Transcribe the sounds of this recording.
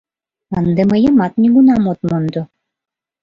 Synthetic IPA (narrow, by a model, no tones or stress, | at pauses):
ənd̪eməjəmɑt̪nʲiɣunɑmot̪mond̪o